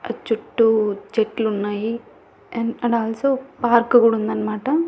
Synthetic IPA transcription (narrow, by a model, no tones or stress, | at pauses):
ɐ̰t͡ʃːuʈːud͡ʒeʈlunːaːji | ɐnɐɽaːlsopaːɾkuɡuɽund̪ɐnmaːʈɐ